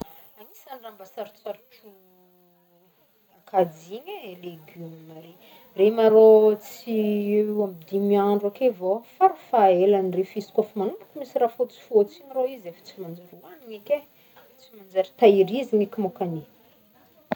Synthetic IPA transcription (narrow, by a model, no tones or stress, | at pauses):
amisanrambasaɾit͡saɾuʈ͡ʂu | akad͡ziɲeleɡymimaɾe | remaɾot͡siamid̪imiaɳɖ͡ʐakevofaɾufaelanirefisi̥kafimanumpu̥kumisiɾafot͡si̥fot͡siniroizefḁt͡simand͡ʒaɾuwaniɲeke | t͡simand͡zaɾi̥t̪aiɾiziɲekʲimokani